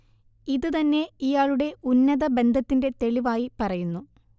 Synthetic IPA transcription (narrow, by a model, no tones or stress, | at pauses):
iðɨt̪ɐnːe̞ijaːɭuɽe̞unːɐðɐbe̞nd̪ʱɐt̪ːinde̞t̪e̞ɭiʋaːjipɐrɐjunːu